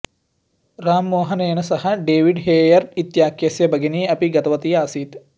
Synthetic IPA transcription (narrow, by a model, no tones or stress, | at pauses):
raːmːoːɦɐnɐjɐnɐsɐhɐɖeːʋiɖɦeːjɐrit̪jaːkjɐsjɐbɐɡiniːɐpiɡɐt̪ɐʋɐt̪ijɐaːsiːt̪